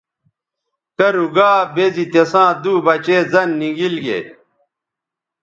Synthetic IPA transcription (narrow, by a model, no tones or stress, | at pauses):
kɐɾuɡaːbezit̪esãːd̪uːbɐt͡ɕeːzɐnːiɡilɡḛ